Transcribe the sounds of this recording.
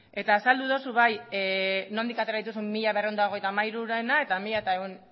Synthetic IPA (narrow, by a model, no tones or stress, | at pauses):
e̞t̪aːsald̪uðo̞suβaj | no̞nd̪ikat̪e̞ɾaðit̪̬usummiʎaβ̞erio̞nd̪aoɣejt̪aːmajɾuɾenae̞t̪amiʎaet̪aewn